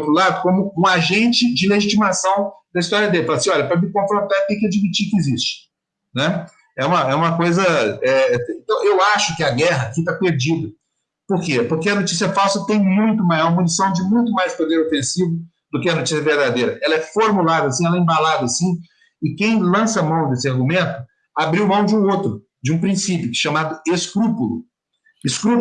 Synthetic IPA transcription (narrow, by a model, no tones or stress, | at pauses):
t̪ɾʊlad̪ʊkõmʊũaʒẽnt͡ʃɪd͡ʒɪleʒit͡ʃimasɐ̃w̃d̪ɐist̪ɔɾjɐd̪elɪfalɐsĩɔlʎɐpɾɐmɪkõfɾõnt̪aɾt̪ẽj̃kɪad͡ʒimit͡ʃikɪɪzist͡ʃɪ̥ | nɛ | ɛũmɐɛũmɐkojzɐɛẽt̪ɐ̃w̃ʔewaʃʊkɪaɡɛɦɐakit̪apeɾd͡ʒid̪ɐ | poɾkepoɾkɪɐnot͡ʃi̥siɐfawsɐt̪ẽj̃mũj̃t̪ʊmajɔɾmũnisɐ̃w̃d͡ʒɪmũj̃t̪ʊmajspod̪eɾofẽsivʊ | d̪̥ʊkɪɐnot͡ʃisjɐveɾd̪ad̪ejɾɐʔɛlɐɛfoɾmulad̪ɐasĩɛlɐẽbalad̪ɐasĩ | ɪkẽj̃lɐ̃sɐamɐ̃w̃d̪esɪaɾɡumẽnt̪ʊ | abɾiwmɐ̃w̃d͡ʒɪũot̪ɾʊ | d͡ʒɪũpɾĩsipjʊkʃamad̪ʊeskɾupʊlʊ̰ | eskɾu